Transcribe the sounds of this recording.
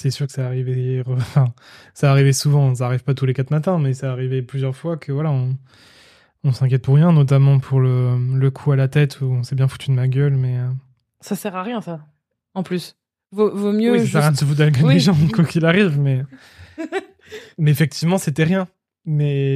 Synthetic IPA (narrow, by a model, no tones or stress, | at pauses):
sɛsyʁkə̥saːʁiveʁəɑ̃fɛ̃ | saːʁivesuvɑ̃s̬aːʁivpat̪ulekat̪mat̪ɛ̃mɛsaːʁiveplyzjœʁfwakʰəvwalaɔ̃ | ɔ̃sɛ̃k̬ʲjɛt̪̚puʁːjɛ̃nɔt̪̬amɑ̃pʰuʁlələkʰualat̪ɛt̪ʰuɔ̃sɛbjɛ̃fu̥t̪ʰyd̪əmaɡʲœlmɛ | sasɛʁaʁjɛ̃sa | ɑ̃plys | vovomjøisasɛʁjjɛ̃d̪əsəfud̪alkəeʒɑ̃kwakʲilaʁivmɛ | mɛːfɛk̚t̪ʰivmɑ̃set̪ɛʁjɛ̃ | mɛ